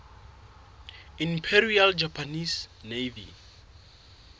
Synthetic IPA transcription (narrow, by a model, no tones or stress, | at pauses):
ĩmpʰɛɾiald͡ʒapʰanisnevḭ